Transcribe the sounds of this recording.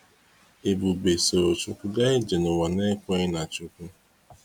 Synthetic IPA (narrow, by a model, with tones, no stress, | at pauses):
e˨bu˨be˨se˨o˨t͡ʃʊ˦kʷʊ˦ɡa˦e˦d͡ʒe˨nʊ˨wa˨ne˦kʷe˦ɪ˦na˨t͡ʃʊ˦kʷʊ˦